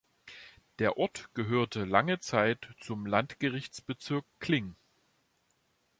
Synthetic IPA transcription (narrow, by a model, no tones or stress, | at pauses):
d̥eːɐʔɔɐtɡ̥əɦøːɐtʰəlaŋət͡saɪtt͡sʊmlantɡ̥əʁɪçt͡sb̥ət͡sɪɐkːl̥ɪŋ